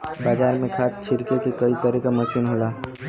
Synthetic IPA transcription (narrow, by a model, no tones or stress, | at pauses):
baːd͡ʒaːɾmẽkʰat̪̚t͡ʃʰiɾkekekəit̪əɾikaməsinɦola